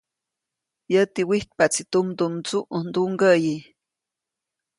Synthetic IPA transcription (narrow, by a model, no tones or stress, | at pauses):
jət̪iwiht̪̚pat͡sit̪umd̪umt͡suʔund̪uŋɡəji